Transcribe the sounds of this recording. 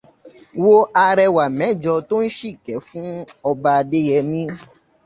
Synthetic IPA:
wo˦a˧ɾɛ˧wa˨mɛ̃˨˦˨d͡ʒɔ˧to˦n̩˦ʃi˦˨kɛ˨˦fũ˦ɔ˧ba˧de˦jɛ˧mĩ˦

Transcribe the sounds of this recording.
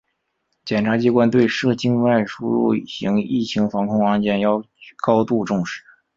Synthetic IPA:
t͡ɕjɛ˨˩nʈ͡ʂʰa˧˥t͡ɕi˧˥kwa˥nt̪we˥˧ɪʂɤ˥˩t͡ɕi˥nwa˥˩ɪʂṵ˥ɻṵ˥˩ɕi˧˥ŋi˥˩t͡ɕʰi˧˥ŋfɑ˧˥ŋkʰʊ˥ŋa˥˧nt͡ɕjɛ˥˩njɑ˥˧ʊ˥ | kɑ˥ʊt̪u˥˧ʈ͡ʂʊ˥˧ŋʂɻ̩˥˩˦

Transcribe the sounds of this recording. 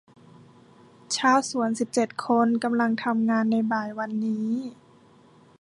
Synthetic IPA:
t͡ɕʰaː˧˥˨wsu˨˩˦ənsi˨˩p̚t͡ɕe˨˩t̪̚kʰo˧nka˧mla˧ŋt̪ʰa˧mŋaː˧nːa˧jbaː˨˩jwa˧nːiː˦˥

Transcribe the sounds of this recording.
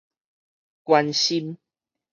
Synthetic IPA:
kwa˧nɕi˧m

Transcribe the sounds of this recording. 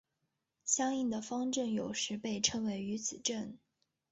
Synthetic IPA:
ɕjɑ˥ŋi˥˩ŋd̪ə˩fɑ˥ŋʈ͡ʂə˥˩njo˨˩ʊʂɻ̩˧˥pe˥˧ɪʈ͡ʂʰə˥ŋwe˧˥ɪy˧˥t͡sʰɹ̩˨˩ʈ͡ʂə˥˩n

